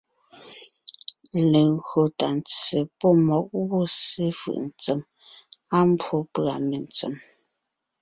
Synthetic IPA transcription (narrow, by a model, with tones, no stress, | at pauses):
le˨ŋɣɰo˨ta˨n˨t͡se˨pɔ˦mɔ˨˦k̚wo˦se˦fɯ̰˨ʔn̩˨t͡sə˨m | a˦m˦bwo˦pɰa˨me˨n˨t͡sə̰˨m